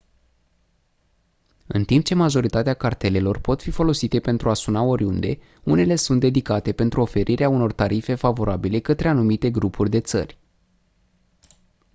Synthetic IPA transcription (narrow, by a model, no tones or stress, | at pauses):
ɨnt̪imp̚t͡ʃe̞maʒo̞ɾit̪at̪eakart̪e̞le̞lo̞rpo̞t̪fifo̞lo̞sit̪e̞pe̞nt̪ɾʔuasunao̞ɾʲund̪e̞̰ | une̞le̞sunt̪̚d̪e̞d̪ikat̪e̞pe̞nt̪ɾuo̞fe̞ɾʔiɾʔeauno̞rt̪aɾife̞favo̞ɾʔabile̞kət̪ɾe̞anumit̪e̞ɡɾupʰurʲd̪e̞t̪sə̰rʲ